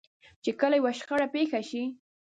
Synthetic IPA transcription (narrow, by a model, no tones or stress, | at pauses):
t͡ʃekəlajwaʃxaɽapexaʃi